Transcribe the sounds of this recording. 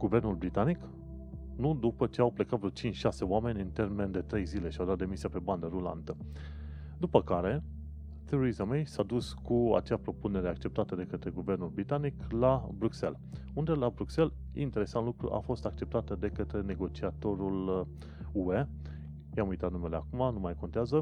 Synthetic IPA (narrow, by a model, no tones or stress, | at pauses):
ɡ̥uve̞rnulbɾit̪anik | nud̪upət͡ʃe̞awplekat̪vɾot͡ʃint͡ʃʲʃase̞oame̞nʲɨnt̪e̞rme̞nd̪e̞t̪ɾe̞jzile̞ʃiawd̪at̪̚d̪e̞misiape̞band̪əɾula̰nt̪ə | d̪upəkaɾe̞ | t̪eɾoɾizamejsad̪uskʰua̰t͡ʃeapɾo̞pune̞ɾe̞akt͡ʃe̞p̚t̪at̪əd̪e̞kət̪ɾe̞ɡuve̞rnulbɾit̪aniklabɾukse̞̰l | und̪e̞labɾukse̞l | ḭnt̪e̞ɾe̞sant̪lukɾṵʔa̰fo̞st̪ak̚t͡ʃe̞p̚t̪at̪əd̪e̞kət̪ɾe̞ne̞ɡo̞t͡ʃiat̪o̞ɾul | ue̞ | jamujt̪at̪nume̞leakumanumajko̞nt̪eazə